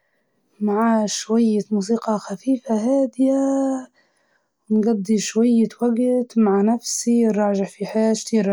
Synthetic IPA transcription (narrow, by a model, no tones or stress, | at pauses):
maʕaːʃwajːamuːs̬iːqɑxafiːfaɦaːd̪ɪja | wnɡad̪ːiʃwajːawaɡt̪maʕanafsiɾˤːɑːʒɪʕfiħaːʃt̪iːɾ